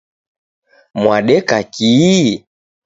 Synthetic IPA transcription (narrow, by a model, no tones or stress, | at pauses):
mwaɗɛkaki